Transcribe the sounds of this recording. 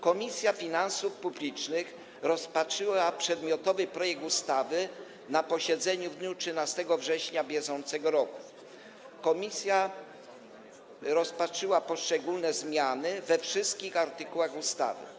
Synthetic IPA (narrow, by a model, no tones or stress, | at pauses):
kɔmʲisʲjafʲinãnsufpublʲit͡ʂnɘx | ɾɔspatʂɘwapʂɛd̪mʲjɔt̪ɔvɘpɾɔjɛɡ̚t̪ust̪avɘ | napɔɕɛd̪zɛɲuvd̪ɲutʂɘnast̪ɛɡɔvʐɛɕɲabʲjɛʐɔnt̪sɛɡɔɾɔku̥ | kɔmʲisʲja | ɾɔspatʂɘwapɔʂt͡ʂɛɡulnɛzmʲjanɘvɛfʂɘst̪̚kʲixaɾt̪ɘkuwaɣust̪a̰vɘ̰